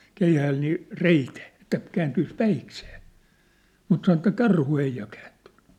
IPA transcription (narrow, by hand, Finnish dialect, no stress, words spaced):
keihæːl niː reiteː ĕtːæ kæːntyis pæikseː mut sɑnŏ ĕtːæ kɑrhu ei jɑ kæːntẙn̥ˑẙ